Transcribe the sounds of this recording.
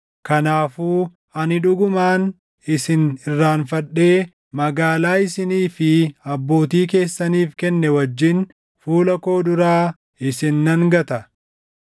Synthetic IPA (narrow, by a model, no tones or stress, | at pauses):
kɐnaːfuː | ɐnɪᶑʊɡʊmaːn | ɪsɪnɪrːaːnfɐᶑːe̞ː | mɐɡaːlaːɪsɪniːfɪɐbːo̞ːt̪iːk̬e̞ːsːɐniːfkɛnːɛwɐd͡ʒːɪn | fuːlɐko̞ːd̪ʊɾaː | ɪsɪnːɐŋɡɐt̪ɐ